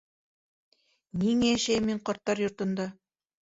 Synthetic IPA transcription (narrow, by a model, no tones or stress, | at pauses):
niŋææʃæjɘmːiɴqɑɾt̪ːɑɾjŏɾt̪ɤ̆nd̪ɑ